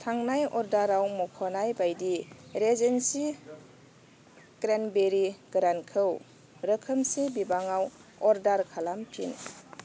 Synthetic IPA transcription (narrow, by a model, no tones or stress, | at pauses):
tʰaŋnajɔɾdaɾawmɔkʰɔnajbajdiɾezensi | ɡ̥ɾanbeɾiɡ̥ɾankʰɯw | ɾəkʰəmsibibaŋawɔɾdaɾkʰalampʰḭn